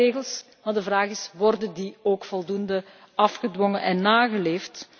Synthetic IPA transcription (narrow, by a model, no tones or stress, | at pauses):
eːɣəlˠs | madəvraːɣɪsʋɔrdəndioːkfɔlˠdundə | ɑfxədwɔŋənʔɛnːaːɣəleːft